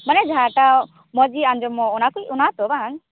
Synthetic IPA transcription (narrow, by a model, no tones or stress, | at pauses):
manɛd͡ʒaʈa | mɔd͡ʒiand͡ʒɔmɔɔnakuiʔunat̪ɔbaŋ